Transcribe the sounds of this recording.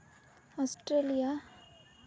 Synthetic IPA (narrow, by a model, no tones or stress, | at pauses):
ɔsʈɾelija